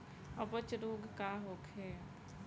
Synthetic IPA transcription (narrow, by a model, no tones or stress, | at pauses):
əbət͡ʃɾoːɡʱkaɦoːkʰɦeː